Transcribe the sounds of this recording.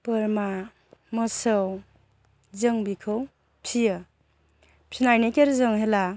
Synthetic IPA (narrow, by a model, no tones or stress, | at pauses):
pɯɾma | mɯsəw | zɯŋbikʰɯw | pʰija | pʰinajnekeɾzɯŋɦela